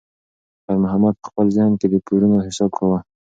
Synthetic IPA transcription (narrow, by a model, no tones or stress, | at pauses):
baɾmʊɦamad̪̚pə̥xpəlzɪhnked̪əkoɾunoɦɪsɑb̚kawə